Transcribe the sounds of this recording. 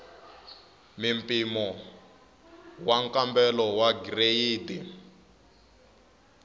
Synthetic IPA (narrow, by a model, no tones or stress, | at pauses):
mimpʼimɔ | waŋkʼambɛlɔwaɡirejiːdi